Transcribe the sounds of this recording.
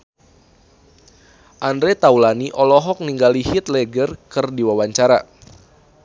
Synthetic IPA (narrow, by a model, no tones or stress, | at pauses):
ʔandɾɛt̪aulaniʔɔlɔɦɔk̚niŋɡalihit̪̚lɛɡərkɨrdiwawaɲt͡ʃaɾa̰